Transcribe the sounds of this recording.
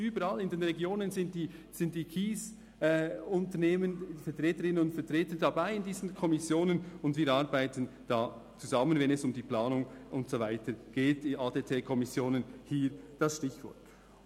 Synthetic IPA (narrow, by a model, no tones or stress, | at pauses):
yːbəɾalɪndenʁɛɡjoːnənzɪntdiːz̥ɪntd̥iːkʰiːs | ɛʊntəneːmənfɛɐtʁeːtəɾɪnənʊntfɛɐtʁeːtəndɑbaɪɪndiːzən̩kʰɔmɪsjoːnənʊndviːɾɑʁbaɪtənd̥ɑːt͡suzɑmənvɛnɛsʊmdiːplɑːnʊŋʔʊntsovaɪtəɡ̥eːt̚diaːdeːtʰeːkʰɔmɪsjoːnənhiːɾd̥ɑsʃtɪçv̥ɔ̰lk